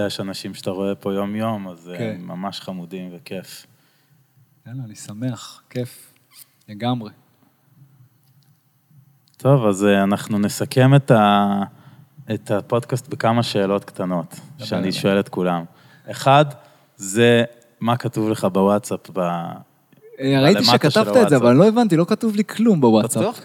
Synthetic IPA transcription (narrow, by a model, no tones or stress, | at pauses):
jeʃanaʃimʃe̥t̪aʁo̞e̞po̞jo̞mjo̞mazeːa̰maʃχamudimveke̞f | ennisameaχkef | leɡamʁe | t̪ʰo̞vazanaχnunesake̞meta | et̪apo̞d̪kast̪bekamaʃe̞ːlo̞t̪kt̪ano̞t̪ʃeaniʃoelet̪kulam | eχad | ze | makatuvleχabewatt͡sapba | eʁaiimatkaʃavaezeavallo̞evant̪̬ilo̞katuvlikʰlumbewatsa